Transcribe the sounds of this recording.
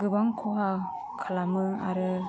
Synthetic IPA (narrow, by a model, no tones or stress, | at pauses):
ɡɯbaŋkʰɔɦa | kʰalamɯa̰ɾɯ